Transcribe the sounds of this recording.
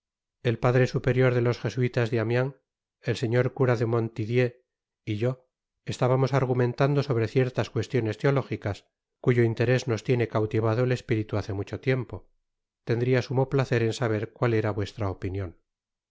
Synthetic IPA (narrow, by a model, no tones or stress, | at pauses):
e̞lpaðɾe̞supe̞ɾjo̞ɾðe̞lo̞sxe̞suit̪azðeamjaŋ | else̞ɲo̞ɾkuɾaðe̞mo̞nt̪iðje̞ | iʝo̞ | est̪aβamo̞saɾɣumẽ̞nt̪and̪o̞so̞β̞ɾeθje̞ɾt̪askwe̞st̪jo̞ne̞st̪eo̞lo̞xikas | kuʝoint̪e̞ɾe̞zno̞st̪je̞ne̞kawt̪iβ̞að̞oele̞spiɾit̪uaθemut͡ʃo̞t̪je̞mpo̞ | t̪e̞nd̪ɾiasumoplaθe̞ɾe̞nsaβ̞e̞ɾkwale̞ɾaβwe̞st̪ɾaopinjo̞n